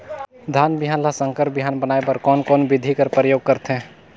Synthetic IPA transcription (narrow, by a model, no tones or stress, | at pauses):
d̪ʱaːnbɪɦaːnlasə̃ŋkəɾpbiɦaːnbənaːebəɾkɔːnkɔːnbɪd̪ʱikəɾpɾəjoːɡ̚kəɾt̪ɦɛ̃